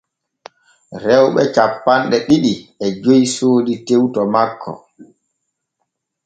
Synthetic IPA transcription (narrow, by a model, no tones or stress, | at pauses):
ɾɛwɓɛt͡ʃapːanɗɛɗiɗiɛd͡ʒojsoːditewtɔmakʰːɔ̰